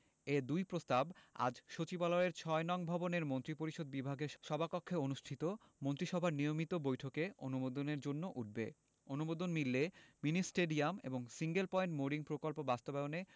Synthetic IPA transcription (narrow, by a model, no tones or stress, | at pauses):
ed̪ujpɾost̪aba̰d͡ʑʃot͡ɕibaloɾeɾt͡ɕʰɔenɔŋbʱɔboneɾmont̪ɾipoɾiʃod̪̚bibʱaɡeʃɔbʱakokʰːeonuʃʈʰit̪o | mont̪ɾiʃɔbʱaɾnijomit̪obojʈʰokeonumod̪oneɾd͡ʑonːoʔuʈ̚ʰbḛ | onubod̪onmilːeminisʈeɖiamḛboŋsiŋɡelpɔjɳʈmoɾiŋpɾokolpobast̪obɛone